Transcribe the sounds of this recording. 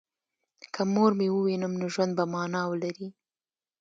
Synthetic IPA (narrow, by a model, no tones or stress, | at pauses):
kʰəmoɾmewəwinəmnoʒwand̪̚bamɑnɑwəlaɾi